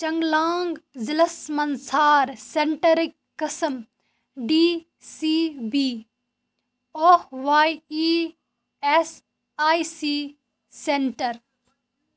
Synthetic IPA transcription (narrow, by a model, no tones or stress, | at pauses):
t͡ʃɐŋɡlaːŋɡzɪləsmɐnsaːɾseɳʈəɾɪkːɐsəm | ɖiː | siːbiː | oːʋaːiiː | es | aːisiː | seɳʈəɾ